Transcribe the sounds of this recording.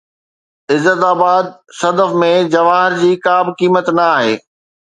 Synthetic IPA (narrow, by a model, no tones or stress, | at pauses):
ɪzːət̪aːbaːd̪̚sɐd̪əfmẽd͡ʑɐʋaːɦɪɾd͡ʑiːkaːbkiːmət̪nɐaːɦeː